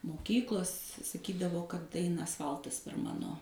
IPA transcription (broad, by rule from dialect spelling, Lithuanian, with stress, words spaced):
moːˈkʲiːklˠoːs sɐˈkʲiːdɐʋoː kɐt ˈɐɪnɐ ɐsˈfɐlˠtɐs pʲɛr ˈmɑːnoː